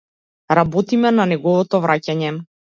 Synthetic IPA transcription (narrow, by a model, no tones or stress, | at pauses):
ɾabɔt̪imɛnanɛɡɔvɔt̪ɔvɾʔacaɲɛ